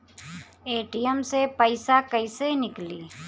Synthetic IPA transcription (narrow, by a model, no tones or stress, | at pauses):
eːʈijəmsepəɪsakəɪsenɪkliː